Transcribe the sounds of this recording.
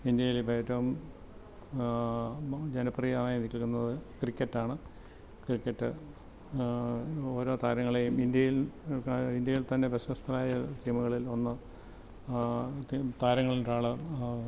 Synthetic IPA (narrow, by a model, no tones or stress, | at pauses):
ind̪jɐjilbeːtːɐʋum | d͡ʑenɐprijɐanaːjinːikʲːiɭkːunːɐðɨkrikʲːɐtːaːɳɨ | krikʲːɐʈːɨ | o̞ːɾo̞ːt̪aːɾɐŋːɐɭejumind̪jɐjil | ind̪jɐjilt̪ɐnːe̞besɐʋɐst̪ʰɐlaːjɐt̪imuɣɐɭilo̞nːɨ | t̪aːɾɐŋːɐɭinɾaːɭɨ